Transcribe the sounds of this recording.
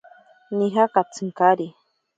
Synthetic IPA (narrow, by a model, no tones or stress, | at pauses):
niɦakat͡sɨŋkaɾi